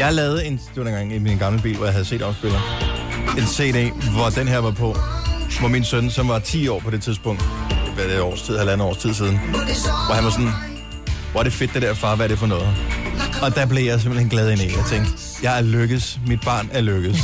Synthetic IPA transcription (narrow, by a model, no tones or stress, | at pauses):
jɑ̈ɪlɛːð̩ˠe̝nd̥e̝ʋɑ̈enŋɡ̥ɑ̈ŋiminɡ̥ɑ̈mləb̥ḭːlʋɒjɑ̈ɦæðˠse̝̰ːd̥ɒʊsb̥e̝l̰ɐ | e̝nsḛːɾḛʋɒd̥enɦɛɐʋɑ̈pʰɒ̽ʋɒminsønsɒ̽mʋɑ̈t͡sʰḭːɒ̰ːpʰɒ̽dɾe̝t͡sʰiðˠsb̥ɔ̽ŋ̰d̥ | ɒ̰ːst͡sʰið̰ˠhælænəɒ̰ːst͡sʰið̞̰ˠs̬iːð̞ˠn̩ʋɒhænʋɑ̈sɒ̽n | ʋɒɐɾ̥e̝fe̝d̥ːe̝ɾ̥æɐ̰fɑ̈ːʋæɐɾ̥e̝fɒ̽nɔ̽ːð̩ˠaɒ̽d̥æb̥le̝jɑ̈ɪs̬e̝m̥en̩henɡ̥lɛːð̞ˠe̝nḛɒt͡sʰeŋd̥ | jɑ̈ɪæɐløɡ̥əð̩ˠsmid̥̚b̥ɑ̈ːnæɐløɡ̥ð̩ˠs